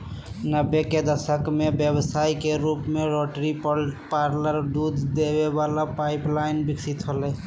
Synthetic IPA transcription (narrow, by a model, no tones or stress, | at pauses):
nəbːeked̪əsəkmebjəbsaikeɾupmeɾoʈɾippaɾləɾd̪ud̪d̪ebebalapaɪplaɪnbiksit̪ɦolɛ